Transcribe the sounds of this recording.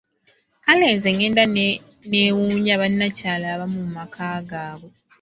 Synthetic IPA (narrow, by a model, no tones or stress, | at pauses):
kale̞ːnzeŋɡe̞ːnda | neːwuːɲaβanːacaːlaβamummakʰaːɡaːβwe